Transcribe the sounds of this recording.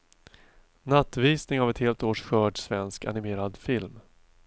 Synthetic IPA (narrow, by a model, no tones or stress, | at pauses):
nat̪ːviːsnɪŋavɛt̪heːlt̪oːʂɧœːɖsvɛnska̰nɪmeːɾad̪fɪlm